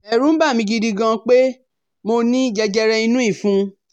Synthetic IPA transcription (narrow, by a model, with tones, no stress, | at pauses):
ɛ˨ɾũ˦ba˦˨mĩ˧ɡi˧di˧ɡã˧k͡pe˦ | mo˧nĩ˦d͡ʒɛ˧d͡ʒɛ˧ɾɛ˧i˧nũ˦i˦˨fũ˨˦